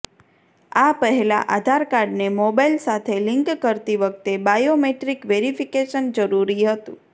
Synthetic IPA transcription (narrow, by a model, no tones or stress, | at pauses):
apəɦɛla̰ʔad̪ʱaɾkaɾɖnemobajlsat̪ʰeliŋkːəɾt̪iʋək̚t̪ebajomeʈɾikʋeɾifikeʃənd͡ʒəɾuɾiɦət̪ṵ̃